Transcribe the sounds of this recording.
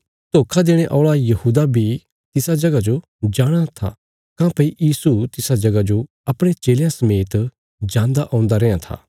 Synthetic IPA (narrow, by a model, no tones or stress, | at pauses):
t̪oːkʰad̪eːɽ̃eʔɔːɭajɐhuːd̪abʱi | t̪ɪsad͡ʒɐɡad͡ʒo | d͡ʒaːɽ̃at̪ʰa̰ | kãːpɐijiːsut̪ɪsad͡ʒɐɡad͡ʒo | ɐpɽ̃et͡ʃeːljãsɐmeːt̪ | d͡ʒãːnd̪aʔɔ̃ːʊ̃nd̪aɾɛ̃ːjãt̪ʰa̰ː